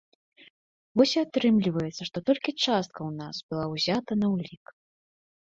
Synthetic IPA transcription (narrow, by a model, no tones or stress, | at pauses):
vɔsʲiat̪ɾɨmlʲivɐjɛt̪sɐʂt̪ɔt̪ɔlʲkʲit͡ʂast̪̚kʰɐwnasbɨlˠawzʲat̪ɐnɐwlʲik